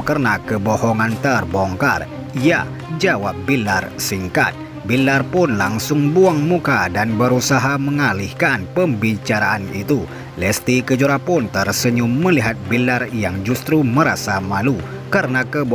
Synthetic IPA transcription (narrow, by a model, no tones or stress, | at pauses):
kərənakəbɔhɔŋant̪ərbɔŋka̰r | ija̰ | d͡ʒawap̚bilarsiŋka̰t̪̚ | bilarpʊnlaŋsʊŋbuaŋmukadanbəɾusaɦaməŋalihkanpəmbit͡ʃaɾaʔanit̪u | lɛst̪ikəd͡ʒuɾapʊnt̪ərsəɲuməliɦat̪̚bilarjaŋd͡ʒust̪ɾuməɾasamalu | kaɾənakəb